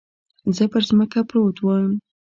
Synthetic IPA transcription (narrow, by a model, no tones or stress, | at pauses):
zəpəɾzməkapɾot̪wɑjəm